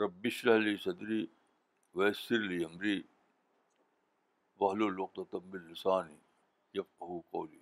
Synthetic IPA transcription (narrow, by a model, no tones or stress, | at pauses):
ɾɐbːɪʃɾɐɦliːsɐd̪ɾiː | ʋeːsɪɾliːɐmɾiː | ʋɐɦloːlwɐq̚t̪ɐt̪ɐmːɪlːɪsaːni | jɐfqɐɦuːqo̰ːlḭː